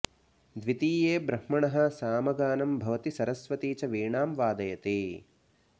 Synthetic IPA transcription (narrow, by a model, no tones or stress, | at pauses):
d̪ʋit̪iːjeːbɾɐhmɐɳɐɦɐ̆saːmɐɡaːnɐmbʱɐʋɐt̪isɐɾɐsʋɐt̪iːt͡ʃɐʋiːɳaːmʋaːd̪ɐjɐt̪eː